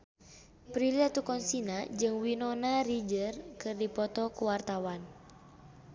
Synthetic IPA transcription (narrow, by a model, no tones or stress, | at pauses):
pɾiliat̪ukɔnsinad͡ʒɨŋwinɔnarid͡ʒərkɨrdipɔt̪ɔkuwart̪awan